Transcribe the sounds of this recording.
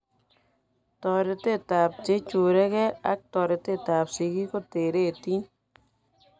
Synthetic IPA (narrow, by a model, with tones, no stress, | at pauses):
t̪ɔ˨ɾe˨˧t̪e˦˨t̪a˨p̚t͡ʃe˦t͡ʃu˨ɾɛ˦kɛ˦a˦k̚t̪ɔ˨ɾe˨t̪e˦˨t̪a˨psi˨ki˦ko˦˨t̪e˨ɾe˦˨t̪i˦